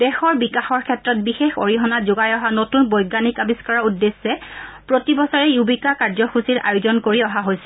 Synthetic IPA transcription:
dɛxɔɹbikaxɔɹkʰɛtɹɔt̚bixexo̰ɹiɦɔnazʊɡajɔɦanotunbɔjɡanikabiskaɹaudːesːɛpɹotibɔsɔɹɛjubikakaɹzɔxusiɹʔa̰jʊzɔnkoɹiɔɦaɦojsɛ̥

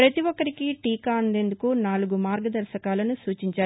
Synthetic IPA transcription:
ɾɐt̪iʋɔkːɐɾikiʈiːkaːɐnd̪e̞ːnd̪ukunaːluɡumaːɾɡɐd̪ɐɾʃɐkaːlɐnusuːt͡ʃiɲt͡ʃaː

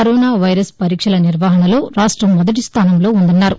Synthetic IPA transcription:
ɐɾɔːnaːʋɐjɾɐspɐɾiːkʂɐlɐniɾʋaːɦɐnɐlo̞ːɾaːʂʈɾɐmːɔd̪ɐʈ̬ist̪ʰaːnɐmlo̞ːund̪unːaːɾu

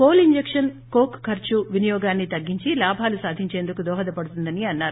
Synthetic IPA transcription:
koːliɲd͡ʒekʂɐn | koːkkʰːɐɾt͡ʃuʋinɐjɔːɡaːnːit̪ɐɡːiɲt͡ʃilaːbʱaːlusaːd̪ʱiɲt͡ʃeːnd̪ukud̪ɔːɦɐd̪ɐpɐɽut̪und̪ɐniɐnːaːɾu

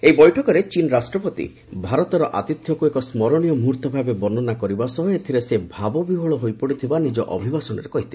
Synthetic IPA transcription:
ejbɔjʈʰɔkɔɾet͡ʃinɾasʈɾɔpɔt̪ḭ | bʱaɾɔt̪ɔɾɔʔa̰t̪it̪jɔkuekɔsmɔɾɔɽ̃ijɔmuɾt̪ɔbʱabebɔnɔnakɔɾibasɔɦɔet̪ʰiɾesebʱabɔbiɦɔɭɔɦojpɔɽit̪ʰibanid͡ʒɔ̰ʔɔbʱibasɔñɔɾekɔɦit̪ʰi̥

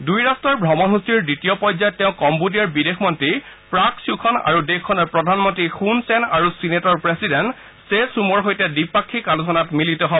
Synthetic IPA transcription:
dujɹastɔɹbʱɹɔmɔnɦusiɹditijɔpɔjzatːeʊ̃kɔmbudijaɹbidexʰmɔntɹipɹaksukʰɔna̰ɹudexkʰːɔnɔɹpɹɔdʱanmɔntɹixunsɛnaɹusinetɔɹpɹesidɛnt | sesumɔɹɦojtɛdipːakʰːikalusɔnatmilitɔɦɔbɔ

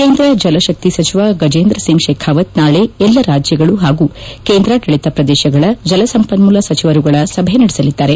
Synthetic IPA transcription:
keːnd̪ɾɐd͡ʒɐlɐʃɐk̚t̪isɐt͡ʃʰiʋaɡɐd͡ʒeːnd̪ɾɐsiŋɡʃeːkʰaːʋɐt̪naːɭeɛlːɐɾaːd͡ʒjɐɡɐɭuɦaːɡukeːnd̪ɾaʈɐɭit̪ɐpɾɐd̪eːʃɐɡɐɭɐd͡ʒɐlɐsɐmpɐnmulɐsɐt͡ʃiʋɐɾuɡɐɭɐsɐbʱɐjenɐɽisɐlid̪ːaːɾe̞

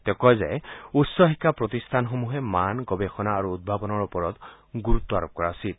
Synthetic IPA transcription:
t̪ɛkɔjzɛ̰jutsɔxikːapɹɔt̪ist̪ʰanxomuɦɛmanɡɔbexɔnaːɹuːd̪̚bʱabɔnɔɹupɔɹɔt̪ | ɡuɹut̪ːɔaɹɔp̚kɔɹasil

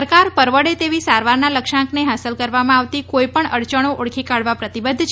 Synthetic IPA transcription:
əɾkaɾpəɾʋəɽet̪eʋisaɾʋaɾnaləkʃãkneɦasəlkəɾʋamãaʋt̪ikojpəɳəɽt͡ʃəɽ̃oʔoɽkʰikaɽʋapɾət̪ibəd̪ʱːt͡ʃʰ

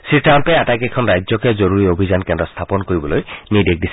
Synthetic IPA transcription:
siʈampɛatakɛkʰɔnɹajzjɔkɛzɔɹuɹiobʱizankɛndɾɔst̪ʰapɔnkoɹibɔlojnidek̚disʰɛ

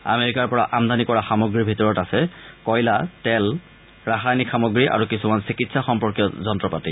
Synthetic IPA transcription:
a̰meɹikaɹpɔɹa̰ʔamd̪anikɔɹaxamoɡɹibʱitɔɹɔtasɛkɔjlatɛl | ɹaxajnixamoɡɹiʔa̰ɹukisumansikitsaxɔmpɔɹkjɔzɔntɹɔpati

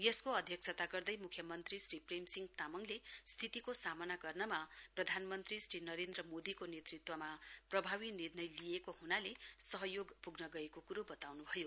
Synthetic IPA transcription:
jʌskoʌd̪ʱjʌk̚sʰʌt̪aɡʌrd̪ʌjmukʰjʌmʌnt̪risripremsiŋɡt̪amʌŋlest̪ʰit̪ikosamʌnaɡʌrnʌmaprʌd̪ʱanmʌnt̪risrinʌɾend̪rʌmod̪ikonet̪rit̪wʌmaprʌbʱawinirnʌjlijekohunalesʌɦʌjoɡpuɡnʌɡʌekokuɾobʌt̪awnubʱʌjo

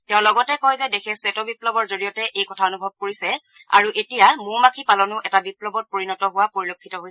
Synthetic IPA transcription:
tɛʊ̃lɔɡɔtɛkɔjzɛdexɛswetɔbiplɔbɔɹzoɹijɔtɛʔejkɔtʰaonubʱɔb̚koɹisɛa̰ɹuʔetijamʊmakʰipalɔnʊʔɛtabiplɔbɔt̚poɹinɔtɔɦʊwapoɹilokʰːitɔɦoj

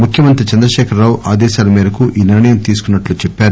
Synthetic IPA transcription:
mukʰjɐmɐnt̪ɾit͡ʃɐnd̪ɾɐʃɛːkʰɐɾːaːwʔaːd̪ɛːʃaːlɐmiːɾɐkuʔiːniɾɐɳɐjɐmt̪iːs̬u̥kunːɐʈluːt͡ʃɛpːaːɾu

